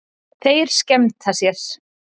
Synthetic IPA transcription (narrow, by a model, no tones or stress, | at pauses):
θejɾ̥scɛmt̪θasjɛɾ̥